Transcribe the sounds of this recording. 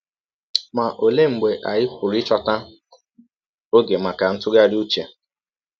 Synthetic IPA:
ma˨ʔo˨le˦ŋ͡m̩˨ɡ͡be˨ʔa˨jɪ˦kʷʊ˨ɾɪ˦t͡ʃɔ˨ta˦ | o˦ɡe˨ma˨ka˨n̩˦tʊ˦ɡa˦du˦t͡ʃe˨

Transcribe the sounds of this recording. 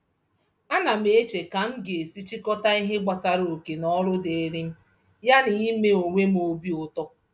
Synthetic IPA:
a˦na˨m̩˦e˦t͡ʃe˨ka˨ŋ̩˦ɡe˨e˨si˦t͡ʃi˦kɔ˦ta˦i˦ɦe˦ɡ͡ba˨sa˨ɾo˨ke˨nɔ˦ɾʊ˦de˨˦ɾi˦m̩˦ | ja˦ni˨ɣi˦me˦o˨ŋʷe˦m˦o˦bi˦ʊ˨tɔ˦

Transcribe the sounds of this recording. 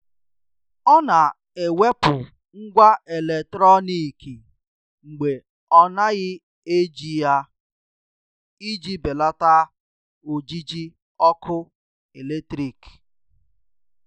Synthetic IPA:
ɔ˦na˨ | e˨we˦pʊ˨ | ŋ̩˦ɡʷa˦ʔe˨le˨tɾɔ˦ni˨ki˨ | ŋ͡m̩˨ɡ͡be˨ | ɔ˦na˦ɣɪ˦ | e˦d͡ʒi˦ja˦ | i˦d͡ʒi˦be˨la˦ta˦ | o˨d͡ʒi˦d͡ʒi˦ | ɔ˦kʰʊ˦ | e˨le˦tɾi˨k

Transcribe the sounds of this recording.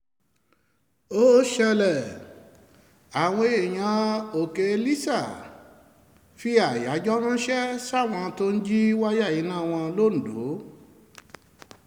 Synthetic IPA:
o˦ʃɛ˧lɛ˨ | a˨w̃ɔ̃˧e˨j̃ã˧o˨ke˧e˧li˦sa˦˨ | fi˦a˦˨ja˨˦d͡ʒɔ˦ɾ̃ũ˦ʃɛ˦sa˦˨w̃ɔ̃˧to˦˧n̩˦d͡ʒi˦wa˦ja˦˨ji˨˦nãː˦˨w̃ɔ̃˧lo˦˨n̩˨do̰˨˦

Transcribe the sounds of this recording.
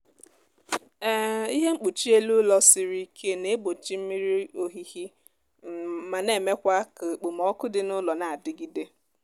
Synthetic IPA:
i˦ɦe˦ŋ͡m̩˦k͡pu˨t͡ʃi˦e˦lu˦lɔ˦sɪ˨ɾi˦kʰe˦ne˨˦bo˨t͡ʃi˦m̩˦mi˦ɾi˦o˦ɦi˦hi˦˨ | ma˨ne˦˨me˦kʷa˦ka˨k͡pu˨mɔ˦kʊ˦dɪ˨˦nʊ˦lɔ˨na˨a˨dɪ˦ɡi˦de˦

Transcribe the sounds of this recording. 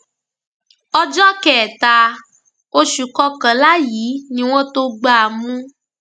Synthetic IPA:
ɔ˦d͡ʒɔ˦kɛ˨t̪a˧ | o˦ʃu˨kɔ˦kã˨la˦ji˨˦nĩ˧˦w̃ɔ̃˦t̪o˧ɡ͡ba˦a˨mũ˦

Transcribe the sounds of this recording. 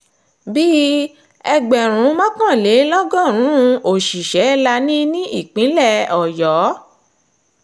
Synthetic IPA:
bi˦ | ɛ˧ɡ͡bɛ˨ɾ̃ũ˨˦mã˦kã˦˨le˨˦lɔ˦ɡɔ˦˨ɾ̃ũ˨˦˧o˨ʃi˨ʃɛ˨˦la˧nĩ˦nĩ˦i˦˨k͡pĩ˨˦lɛ˦˨ɔ˨jɔ˨˦

